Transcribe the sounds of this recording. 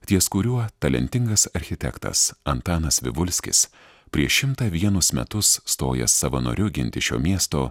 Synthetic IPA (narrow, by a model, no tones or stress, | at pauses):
t̪ʲiɛskʊɾʲuɔt̪ɐlʲɛ̰nʲt̪ʲɪŋɡɐsɐɾʲxʲɪt̪ʲɛ̰kt̪ɐ̰sɐnt̪ɑːnɐsʋʲɪ̰ʋʊlʲsʲkʲɪ̰s | pʲɾʲiɛʃʲɪmt̪ɐʋʲiɛnʊsmʲɛ̰t̪ʊsːt̪oːjɛ̰sɐʋɐno̰ːɾʲʊɡʲɪnʲt̪ʲɪʃʲo̰ːmʲiɛst̪oː